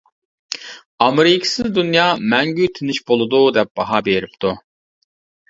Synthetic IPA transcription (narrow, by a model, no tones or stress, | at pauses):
ɑmɾikʰi̥sizd̪ynjɑːmɛŋɡyt̪ʰiniʃbolˠud̪uːd̪ɛp̚b̥ɑɦɑbeɾip̚t̪ʰu